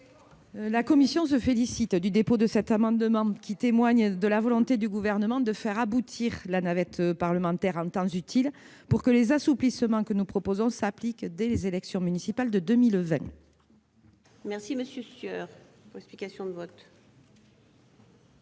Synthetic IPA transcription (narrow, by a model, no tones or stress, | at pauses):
lakɔmisjɔ̃s̬əfelisit̪d̪yd̪epod̪əsɛt̪amɑ̃d̪əmɑ̃kʲit̪emwaɲd̪əlavɔlɔ̃t̪ed̪yɡuvɛʁnəmɑ̃d̪əfɛʁabut̪ʰiʁlanavɛt̪paʁləmɑ̃t̪ɛʁɑ̃t̪ɑ̃zyt̪ʰil | puʁkəlezasuplisəmɑ̃kənupχɔpozɔ̃saplikd̪ɛlezelɛksjɔ̃mynisipald̪əd̪əmilvɛ̃ | mɛʁsiməsjøsœʁpuʁlɛksplikasjɔ̃d̪əvɔt̪